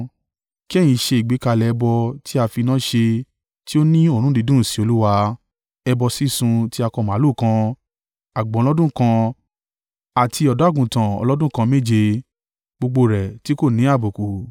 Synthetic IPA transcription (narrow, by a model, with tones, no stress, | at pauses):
ki˦ɛ˦˨j̃ĩ˧ʃe˧i˨ɡ͡bi˨˦ka˧lɛ˨˧bɔ˧tʰi˦a˧fi˧nãː˦ʃe˧ | ti˦o˦nĩ˦o˦˨ɾ̃ũ˦di˧dũ˦˨si˨˦o˧lu˦wa˧ | ɛ˧bɔ˧si˦sũ˧ti˦a˧kɔ˧˨mã˨˦lu˦˨kã˧ | a˨ɡ͡bɔ̃˨˦˧lɔ˦dũ˦kã˧ | a˨tʰi˧ɔ˧da˨˦ɡũ˨tã˨ɔ̰˧lɔ˦dũ˦kã˧me˦˨d͡ʒe˧ | ɡ͡bo˧ɡ͡bo˧ɾɛ˨ti˨˦ko˦˨nĩ˨˦a˦˨bo˨ku˨